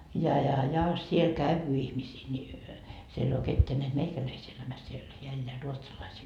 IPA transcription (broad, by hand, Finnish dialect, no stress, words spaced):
jɑ jɑ jɑ siel kæyʋy ihmisiː nʲi siel ei oː ketːeæ neæt meikælæisi elæmæs siel heæ elːeæ ruotsɑlɑisiːŋ